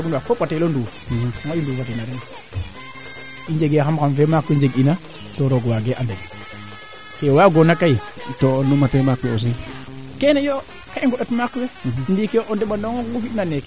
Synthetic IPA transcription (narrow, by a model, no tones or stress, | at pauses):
ɡunduakopatelondu | ŋajunduatenaɾen | ind͡ʒeɡeaxamkanvemakwed͡ʒeɡina | toɾoɡwaɡeʔande | kewaɡonakai | tonumatemakeos̬e | kenejo | kaiŋɡoɗotmakːwendikeʔondeɓandoŋoɡufiɗnanek